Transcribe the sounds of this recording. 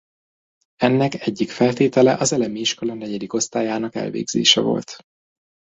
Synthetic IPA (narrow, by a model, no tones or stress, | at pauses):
ɛnːɛkɛɟːikfɛlt̪eːt̪ɛlɛʔɒzɛlɛmiiʃko̞lɒnɛɟɛd̪iko̞st̪aːjaːnɒkɛ̰lvḛːɡz̥ḛːʃɛ̰vo̞̰lt̪